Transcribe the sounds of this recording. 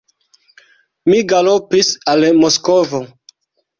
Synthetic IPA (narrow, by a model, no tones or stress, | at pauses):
miɡalopisalmoskovo